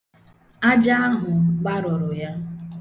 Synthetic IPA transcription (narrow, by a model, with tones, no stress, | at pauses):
a˦d͡ʒa˦a˦ɦʊ˨ɡ͡ba˦ɾʊ˨ɾʊ˨ja˦